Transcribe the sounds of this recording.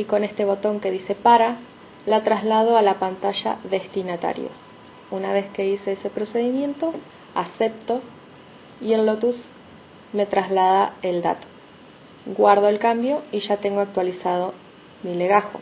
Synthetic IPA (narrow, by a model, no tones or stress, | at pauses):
iko̞ne̞st̪e̞β̞o̞t̪o̞ŋke̞ðise̞paɾa | lat̪ɾazlað̞o̞alapant̪aʃa̰ðe̞st̪inat̪a̰ɾjo̞̰s | unaβ̞e̞ske̞iseese̞pɾo̞se̞ðimjẽ̞nt̪o̞ | ase̞p̚t̪o̞ | ie̞lːot̪us | me̞t̪ɾazlaðae̞ld̪a̰t̪o̥ | ɡwaɾð̞o̞elkambjo̞iʃat̪e̞ŋɡo̞ak̚t̪walisað̞o̞ | mileɣaxo̞̰